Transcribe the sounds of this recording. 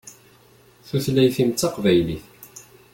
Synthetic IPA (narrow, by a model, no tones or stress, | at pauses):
θuθlæjθimt͡sːɑqvæjliθ